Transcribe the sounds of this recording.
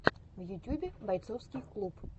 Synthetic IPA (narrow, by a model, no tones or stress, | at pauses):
vjʊtʲjubʲɪbɐjt̪sofskʲɪjklˠup